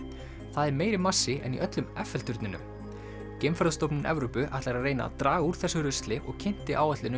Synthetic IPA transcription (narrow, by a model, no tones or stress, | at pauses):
θaðɛɾmeːjɾɪmasːɪʔɛ̰nḭʔœt̪lʏmɛfɛlt̪ʏɾt̪nɪnʏ̰m | cejmfaɾðst̪owpnɪnʔɛ̰vɾʏpʏʔa̰jht̪laɾaðreːjna̰t̪ɾaːɣuɾ̥θɛsʏɾœst̪lɪʔɔɣcʰɪn̥t̪ɪʔaːwɛht̪lɪnʏ